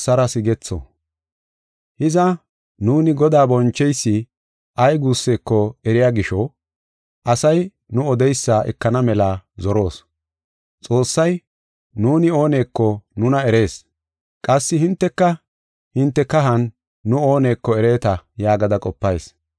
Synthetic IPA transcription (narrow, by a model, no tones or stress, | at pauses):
sɐɾɐsɪɡɛt͡sːo̰ | hɪzɐ | nuːnɪɡɔd̪aːbɔnt͡ʃːɛjsːɪ | ʔɐjɡuːsːe̞ːkːɔɛɾɪjaːɡɪʃɔ | ʔɐsɐj | nʊɔd̪ɛjsːaʔɛ̰kːɐnɐmɛlazɔɾo̞ːs | t͡sʼo̞ːsːɐj | nuːnɪo̞ːne̞ːkːɔnʊnɐɛɾe̞ːs | kʼɐsːɪhɪnt̪ːɛkːɐ | hɪnt̪ːɛkːɐɦɐnː | ʊo̞ːne̞ːkːɔɛɾe̞ːt̪ɐjaːɡɐd̪ɐkʼɔpːɐjs